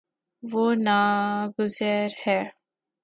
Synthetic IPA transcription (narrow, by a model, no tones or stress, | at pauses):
ʋonaɡʊzəɾhɛ